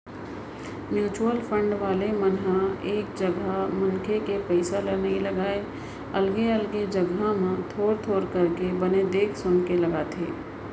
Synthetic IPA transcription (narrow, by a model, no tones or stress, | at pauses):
mjuːt͡ʃuəlpʰə̃ɳɖʋaːlemənɦaeːk̚d͡ʒəɡamənkʰekepɛɪsalənəɦĩləɡaːe | ɐlɡeəlɡed͡ʒəɡamẽt̪ʰoːɾt̪ʰoːɾkɐɾkebəned̪eːkʰsʊnkeləɡaːt̪ʰḛː